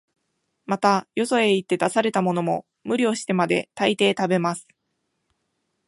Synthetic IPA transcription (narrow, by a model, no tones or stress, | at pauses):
mat̪ajo̞so̞e̞it̪ːe̞d̪asaɾe̞t̪amo̞no̞mo̞ | mɯ̟ɾʲio̞ɕi̥t̪e̞mad̪e̞̰t̪ait̪e̞ːt̪abe̞masɨ̥